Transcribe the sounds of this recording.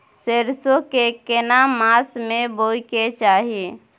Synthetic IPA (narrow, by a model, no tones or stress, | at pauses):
seɾsokekenamasmeboiket͡ʃaɦi